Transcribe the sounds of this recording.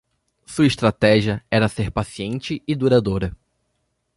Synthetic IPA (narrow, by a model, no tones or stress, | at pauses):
suɐist̪ɾat̪ɛʒiɐɛɾɐseɾpasiẽnt͡ʃɪɪd̪uɾad̪oɾɐ